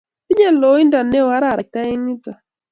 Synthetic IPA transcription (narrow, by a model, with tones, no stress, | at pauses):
pi˦ɲɛ˦lo˨˦i˦nda˨ne˦˨wa˦ɾa˦˨ɾa˨k̚t̪a˦i˦ŋi˦ta˨